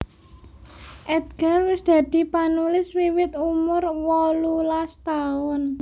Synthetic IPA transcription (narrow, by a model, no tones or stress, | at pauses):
ʔɛd̪̚ɡ̥a̤wɪsd̪̥ä̤d̪̥i̤panulɪswiwɪt̪umʊrwɔlulast̪aʊn